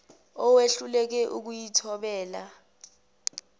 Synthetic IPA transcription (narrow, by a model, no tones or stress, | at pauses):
ɔweɬulɛk̬ɛʔuk̬ujitʰɔɓɛːla